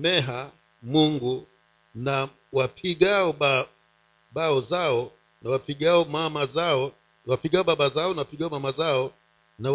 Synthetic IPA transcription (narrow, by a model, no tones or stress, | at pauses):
mɛɦa | muŋɡu | na | wapʰiɡaɔba | baɔzaɔ | nawapiɡaɔmamazaɔ | wapiɡaɔbabazaɔnawapiɡaɔmamazaɔ | na